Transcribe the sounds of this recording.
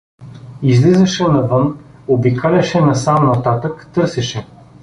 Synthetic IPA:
izlizɐʃɛnɐvɤn | obikalʲɐʃɛnɐsamnɐt̪at̪əkt̪ɤɾsɛʃɛ

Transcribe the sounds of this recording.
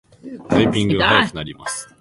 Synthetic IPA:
t̪aipʲĩŋɡɯaajakɯ̟naɾʲima̰sɨ̥

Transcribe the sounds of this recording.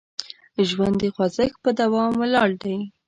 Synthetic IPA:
ʒwand̪əxwazəkpəd̪awɑmlɑɽd̪aj

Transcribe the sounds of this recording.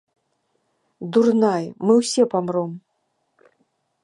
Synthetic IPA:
d̪urnajmɨwsʲɛpamrɔm

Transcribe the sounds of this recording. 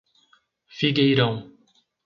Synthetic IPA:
fiɡejɾɐ̃w̃

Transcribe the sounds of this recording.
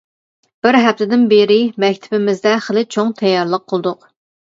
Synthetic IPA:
b̥ɪɾɦɛf̚t̪ʰɪd̪ɪnbeɾɪmɛkʲt̪ʰɪ̥bɪmɪzd̪ɛχəlˠɨt͡ʃʰoŋt̪ʰɛjːɑɾlˠəqʰːəlˠd̪ʊq

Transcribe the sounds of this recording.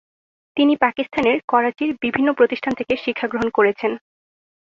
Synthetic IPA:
t̪inipakist̪ʰaneɾkɔɾat͡ɕiɾbibʱinːopɾot̪iʃʈʰant̪ʰekeʃikʰːaɡɾoɦonkoɾet͡ɕʰen

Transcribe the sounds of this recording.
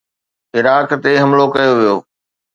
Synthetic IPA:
ɪɾaːkt̪eɦɐmlokɐjoʋijoː

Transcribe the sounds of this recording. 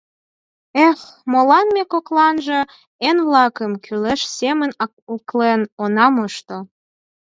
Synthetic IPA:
exmolɑnmekoklɑnʒə̆ | enβlɑkəmkʰyleʃsemən | uklenonɑmoʃt̪o

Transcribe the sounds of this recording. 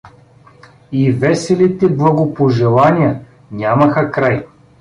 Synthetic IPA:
ivɛsɛlit̪ɛblˠɐɡopoʒɛlˠanʲijɐ | nʲamɐxɐkɾaj

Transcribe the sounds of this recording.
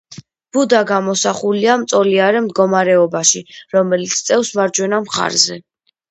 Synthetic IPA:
b̥ud̪aɡamɔsaχuliamt̪sʼɔliaɾɛmd̪ɡɔmaɾɛɔbaʃiɾɔmɛlit̪sʰt̪sʼɛfsmaɾd͡ʒwɛnamχa̰ɾzɛ

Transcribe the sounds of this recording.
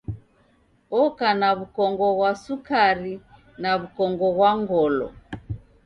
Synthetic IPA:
ɔkanaβukɔŋɡɔɣwasukaɾi | naβukɔŋɡɔɣwaŋɡɔlɔ̰

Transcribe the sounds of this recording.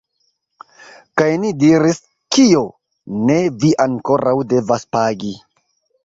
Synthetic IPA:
kajnidiɾis | kio̞ | ne̞viʔaŋko̞ɾawde̞vaspaɡi

